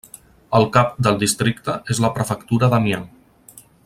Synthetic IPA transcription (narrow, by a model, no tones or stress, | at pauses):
əlˠkap̚d̪əlˠd̪ist̪ɾikt̪əʔezləpɾəfəkt̪uɾəðəmjan